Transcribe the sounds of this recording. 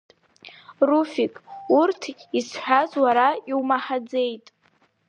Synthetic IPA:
rufikʼurtʰkʲʼisħʷᶣazwaɾaiwmaħad͡ze̞jtʼ

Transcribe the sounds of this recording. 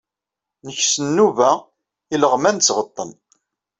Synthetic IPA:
nəçsənːuvæ | iləʁmænt͡sːʁət̪ˤːən

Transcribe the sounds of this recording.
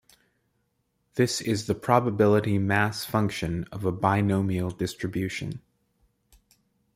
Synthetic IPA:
ðɪsɪzðɨpʰɹ̥ɑbəbɪlˠəɾimæsfʌ̃ŋkʃɨ̃nʌvəbaɪnõʊmil̩ˠdɪstɹ̥ɨbjʉʃɨ̰̃n

